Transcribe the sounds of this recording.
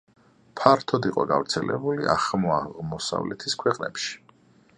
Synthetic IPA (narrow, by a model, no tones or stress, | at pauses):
pʰaɾt̪ʰɔd̪iqʼɔɡavɾt̪sʰɛlɛbuliʔaχmɔaʁmɔsa̰vlɛt̪ʰiskʰwɛqʼnɛpʃi̥